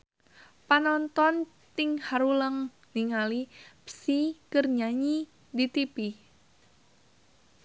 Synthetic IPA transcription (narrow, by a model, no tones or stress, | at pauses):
panɔnt̪ɔn | t̪ɪŋhaɾuləŋ | niŋalipsikərɲaɲi | dit̪ipi